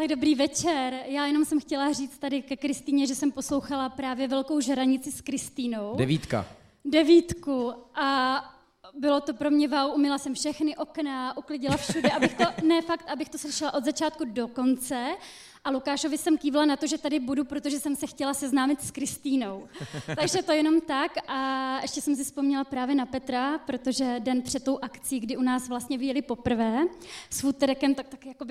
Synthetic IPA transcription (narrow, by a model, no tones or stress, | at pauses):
t̪aɡdo̞bɾiːvɛt͡ʃɛɾjaːjɛno̞msɛmxcɛlar̝iːt͡st̪adɪkɛkɾɪst̪iːɲɛʒɛsɛmpo̞slo̞wxalapɾaːvjɛvɛlko̞wʒɛɾaɲɪt͡sɪskɾɪst̪iːno̞wdɛvit̪ka̰ | dɛviːt̪kuʔa | bɪlo̞t̪o̞pɾo̞mɲɛvawʔumɪlasɛmfʃɛxnɪʔo̞knaʔuklɪɟɪlafʃudɛʔabɪxt̪onɛfakt̪ʔabɪxt̪oslɪʃɪlaʔo̞d̪zat͡ʃaːt̪̚kudo̞ko̞nt͡sɛ | ʔalukaːʃovɪsɛmkiːvlanat̪oʒɛt̪adɪbudupɾo̞t̪oʒɛsɛmsɛxcɛlasɛznaːmɪt̪skɾɪst̪iːno̞wt̪aɡʒɛt̪o̞jɛno̞mt̪akʔaɛʃcɛsɛms̬ɪspomɲɛlapɾaːvjɛnapɛt̪ɾapɾo̞t̪o̞ʒɛdɛnpr̝̥ɛt̪ːo̞wʔakt͡sɪiːɡdɪʔunaːsvlast̪ɲɛvɪjɛlɪpo̞pr̩vɛːsfut̪ɛɾɛkɛmt̪ak̚t̪akjakobɪ